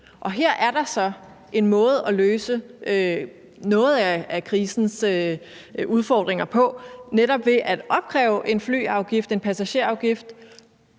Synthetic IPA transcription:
ʔɒ̽ɦeɐ̰ʔæɐɾɑ̈sɒ̽ | ʔe̝nmɔ̽ːð̞̩ˠɒ̽løːsəø | nɔ̽ːð̞̩ˠæækʰʁiːsn̩sø | uð̞ˠfɒ̰ːd̥ʁeŋɐpʰɒ̽neɾɒ̽b̥ʋe̝ʔæd̥ɒ̽b̥̚kʰʁɛ̰ːʊʔe̝nfly̰ːɑ̈ʊɡ̥ifd̥e̝npʰæsæɕe̝ɐɑ̈ʊɡ̥ifd̥

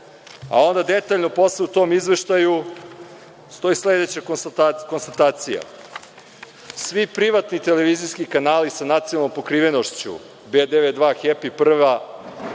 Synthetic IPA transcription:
a̰o̞nd̪ad̪et̪aʎno̞po̞sleut̪o̞mizʋe̞ʃt̪aju | st̪o̞isle̞d̪et͡ɕakko̞nst̪at̪aːt̪sija̰ | sʋipɾiʋat̪nit̪ele̞ʋizijskikanaːlisanat̪sinalˠnːompo̞kɾiːʋe̞no̞ʃt͡ɕṵ | bed̪eʋed̪ʋaxepipr̩ʋa

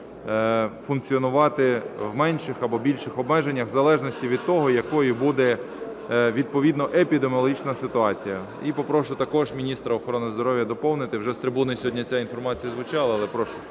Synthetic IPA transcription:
fʊnkt͡sʲiɔnʊʋɑt̪ɪwmɛnʲʃɪxɐbɔbʲilʲʃɪxɔbmɛʒenʲːɐxzɐlˠɛʒnɔsʲtʲiʋʲid̪t̪ɔɦɔjɐkɔjʊbud̪ɛ | ʋʲid̪̚pɔʋʲid̪nɔʔepʲid̪emʲɔlˠɦit͡ʃnɐsɪt̪ʊɑt͡sʲijɐ | ipɔpɾɔʃʊt̪ɐkɔʒmʲinʲist̪ɾɐɔxɔɾɔnɪzd̪ɔɾɔʋʲjɐd̪ɔpɔwnɪt̪ɪwʒɛst̪ɾɪbunɔjsʲɔɦɔdʲnʲɐt͡sʲainfɔrmɑt͡sʲijɐzʋʊt͡ʃɑlˠɐɐlˠɛpɾɔʃʊ̥

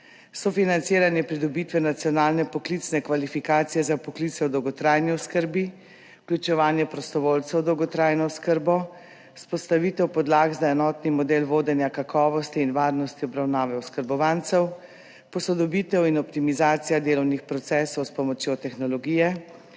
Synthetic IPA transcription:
sɔfinant̪seːɾanjɛpɾid̪ɔbiːt̪ʋɛnat̪sijɔnaːlnɛpɔklit̪snɛkʋalifikaːt̪sijɛzapɔklit̪sɛwd̪ɔwɡɔt̪ɾajniɔskəɾbi | klʲut͡ʃɛʋaːnjɛpɾɔst̪ɔʋoːlt̪sɛwd̪ɔwɡɔt̪ɾaːjnɔskəɾbɔ | spɔst̪aʋit̪ɛwpɔd̪laːɡzaɛnɔːt̪nimɔd̪eːlʋoːd̪ɛnjakakʰɔːʋɔst̪iːnʋaːɾnɔst̪iɔbɾawnaːʋɛɔskəɾbɔʋant̪sɛw | pɔsɔd̪ɔbiːt̪ɛwinɔpt̪imizaːt̪sijad̪eːlɔwnixpɾɔt̪sɛːsɔwspɔmɔt͡ʃjot̪ɛxnɔlɔɡiːjɛ

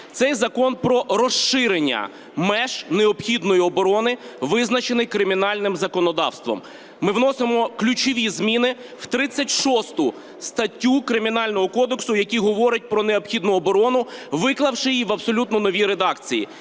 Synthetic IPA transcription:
t̪sɛjzɐkɔnpɾɔɾɔʃːɪɾenʲːɐ̰ | mɛʒneɔpxʲid̪nɔjiɔbɔɾɔnɪʋɪznɐt͡ʃenɪjkɾɪmʲinɑlʲnɪmzɐkɔnɔd̪ɑ̰wst̪ʋɔ̰mː | ɪwnɔsemɔklʲut͡ʃɔʋʲizmʲinɪ | w̥t̪ɾɪt͡sʲːɐtʲʃɔst̪ʊ | st̪ɐtʲːukɾɪmʲinɑlʲnɔɦɔkɔd̪eksʊjɐkʲiɦɔʋɔɾʲɪɐt̚ʲpɾɔneɔpxʲid̪nʊɔbɔɾɔnʊʋɪklˠɐwʃɪjiʋɐbsɔlʲut̪nɔnɔʋʲiɾed̪ɑkt͡sʲijḭ

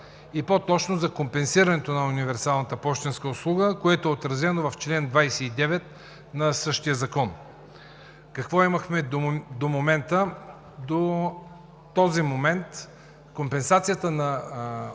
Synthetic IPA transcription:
ipot̪ɔt͡ʃnozɐkompɛnsiɾɐnɛt̪onɐʊnivɛɾsalˠnət̪əpɔʃt̪ɛnskəʊslˠuɡəkoɛt̪ʊɛot̪ɾɐzɛnovɐft͡ʃlɛnd̪vajsɛid̪ɛvɛt̪ | nɐsɤʃt̪ijəzɐkɔn | kɐkvɔimɐxmɛd̪omomɛnt̪ə | d̪o | t̪ɔzimomɛnt̪ | kompɛnsat̪sijət̪ənɐ

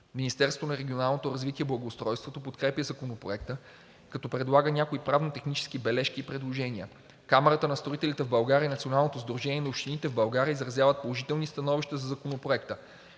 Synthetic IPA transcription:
minʲist̪ɛɾsvonɐɾɛɡʲionalˠnot̪oɾɐzvit̪iɛblˠɐɡoːst̪ɾɔjst̪vot̪opot̪kɾɛpjəzɐkonopɾo̰ɛkt̪ə | kɐt̪ɔpɾɛd̪lˠaɡənʲakoipɾavnot̪ɛxnit͡ʃɛ̥skibɛlɛʃkiːpɾɛd̪lˠoʒɛnʲiə̰ | kamɛɾət̪ənɐst̪ɾoit̪ɛlit̪ɛvbɐlˠɡaɾjəinɐt̪sionalˠnot̪ozd̪ɾoʒɛniɛnɐopʃt̪init̪ɛvbɐlˠɡaɾʲiəizɾɐzjavət̪̚polˠoʒit̪ɛlˠnist̪ɐnɔviʃt̪əzɐzɐkonopɾoɛk̚t̪ə

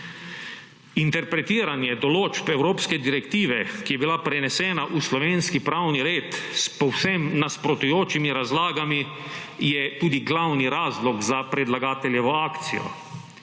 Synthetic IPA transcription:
int̪ɛɾpɾɛt̪iːɾanjɛd̪ɔloːd͡ʒpɛwɾoːpskɛd̪iɾɛkt̪iːʋɛkijɛbilapɾɛnɛsɛːnaʔuslɔʋeːnskipɾawniɾeːt̪spɔwsɛmnaspɾɔt̪ujoːt͡ʃimiɾazlaːɡami | jɛt̪uːd̪iɡlawniɾaːzlɔɡzapɾɛd̪laɡaːt̪ɛljɛʋɔaːkt̪sijɔ̰

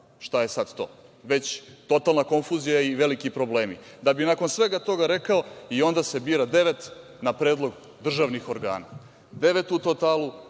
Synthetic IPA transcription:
ʃt̪aje̞sad̪̥t̪o̞̰ːʋe̞t͡ɕt̪o̞t̪alˠnako̞nfuːzijaiʋe̞likipɾo̞ble̞ːmid̪abinako̞nsʋe̞ɡat̪o̞ɡaɾe̞kaoio̞nd̪ase̞biːɾad̪e̞ʋe̞t̪ | napɾe̞ːd̪lˠo̞ɡ | d̪r̩ʒaʋnixo̞ɾɡa̰ːna̰ | d̪e̞ʋe̞t̪ut̪o̞t̪aːlˠu

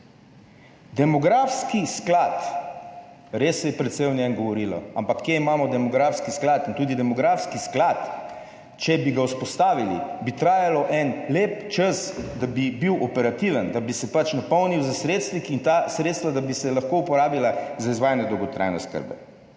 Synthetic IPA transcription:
d̪ɛmɔɡɾaːfskisklat̪ | ɾesːɛjɛpɾɛt̪sɛjwnjɛnɡɔʋɔɾiːlɔ̰ampakʰːjeimaːmɔd̪ɛmɔɡɾafskisklat̪int̪uːd̪id̪ɛmɔɡɾaːfskisklat̪ | t͡ʃɛbiɡauspɔst̪aːʋilḭbit̪ɾaːjalɔʔɛnleːpt͡ʃəsd̪abibiwʔɔpɛɾat̪iʋənd̪abisɛpat͡ʃnapɔwniwzasɾeːt̪st̪ʋikint̪asɾeːt̪st̪ʋad̪abisɛlaxkoupɔɾaːbilazaizʋaːjnɛd̪ɔwɡɔt̪ɾa̰jnɛ̰skə̰ɾbɛ̰

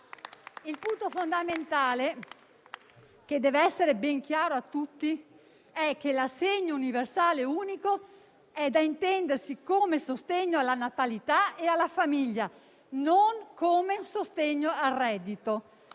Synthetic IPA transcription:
ilpunt̪ofond̪ament̪aːle | k̟ed̪ɛːveɛsːeɾebɛŋk̟jaːɾoat̪ːut̪ːi | ɛk̟ːelaseɲːouniversaːleuːniko | ɛd̪aint̪ɛnd̪ersikoːmesost̪eɲːoalanat̪alit̪aealːafamiʎːa | noŋkoːmeunsost̪eɲːoarːɛd̪ːit̪o

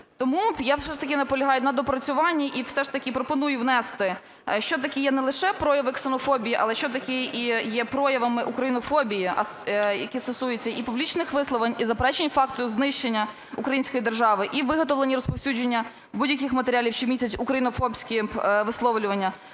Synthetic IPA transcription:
t̪ɔmujasɛʃt̪ɐkʲɪnɐpɔlʲɐɦɑjʊnɐd̪ɔpɾɐt͡sʲʊʋɑnʲːiʔiwsɛʃt̪ɐkʲɪpɾɔpɔnujʊwnɛst̪ɪ | ʃt͡ʃɔt̪̬ɐkʲijɛnɛlˠɪʃɛpɾɔjɐʋɪksenɔfɔbʲijiʔɐ̰lˠɛʃt͡ʃɔt̪ɐkʲɪijɛpɾɔjɐʋɐmɪʔukɾɐjinɔfɔbʲijiɐ̰sjɐkʲist̪ɔsujet͡sʲːɐʔipublʲit͡ʃnɪxʋɪslˠɔʋɐnʲizɐpɾɛt͡ʃenʲfɑkt̪ɔjʊznɪʃt͡ʃenʲːɐ | ukɾɐjinʲsʲkɔjid̪erʒɑʋɪʔiʋɪɦɔt̪ɔʋlenʲːiɾɔspɔwsʲud͡ʒenʲːɐ | budʲjɐkɪxmɐt̪eɾʲalʲiwt͡ʃɪmʲisʲɐt͡sʲʊkɾɐjinɔfɔbsʲkʲɪʋɪslˠɔʋlʲʊʋɐnʲːɐ

